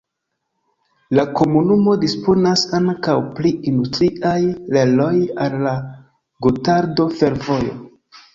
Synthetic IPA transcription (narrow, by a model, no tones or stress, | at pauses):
lako̞munumo̞dispo̞nasaŋkawpliindustɾiʔajle̞lo̞jalːa | ɡotaɾdo̞fe̞ɾvo̞jo̞̰